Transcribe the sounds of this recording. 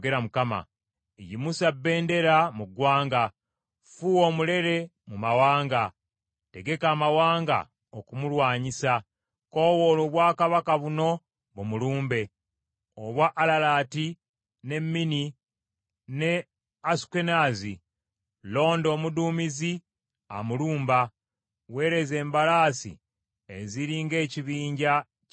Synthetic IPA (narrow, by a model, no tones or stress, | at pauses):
ɡe̞ɾamukama̰ | ejimusabːe̞ːnde̞ɾamuɡwaːŋɡa | fuwo̞mule̞ɾe̞ | mumawaːŋɡa | te̞ɡe̞kaːmawaːŋɡa̰ | okumulwaːɲisa | ko̞ːwoːloβwaːkaβakaβuno̞ | βumuluːmbe̞ | oβwaʔːlalaːti | ne̞mːini | ne̞ | aske̞naːzi | lo̞ːndo̞ːmudumizi | a̰muluːmba | we̞ːɾe̞ze̞ːmbalaːsḭ | eziɾiːŋɡe̞ːciβiːɲɟa